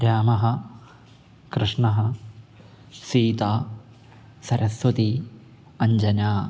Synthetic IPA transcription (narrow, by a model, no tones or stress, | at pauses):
ɾjaːmɐɦɐ̆ | kɾɨʂɳɐɦɐ | siːt̪aː | sɐɾʔɐsʋɐt̪i | ɐɲd͡ʒɐnaː